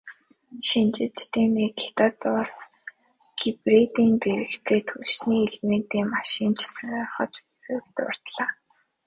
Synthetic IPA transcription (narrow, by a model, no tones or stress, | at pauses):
ʃint͡ɕɪ̆t͡ɕt̪ʰeːmeːkʰe̥t̪ɔt̪ʊɮs | ɡ̥iprit̪iːnp̪eɾɘ̆kt̪ʰeːt̪ʰuʃniːeɮment̪iːmaʃiːnt͡ɕʰsanaχə̰̆t͡ɕ | xɘkt̪ʊ̰r̥t̪ɮaː